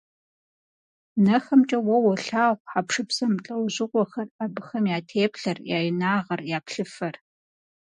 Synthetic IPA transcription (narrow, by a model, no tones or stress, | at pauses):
nɐxɐmt͡ʃʼɐwɐwɔɬaːʁʷħapʂɨpsɐmɬʼɐwʑɪqʷɔxɐrabɨxɐmjaːtʰeːpɬɐrjaːjɪnaːʁɐrjaːpɬɨfɐr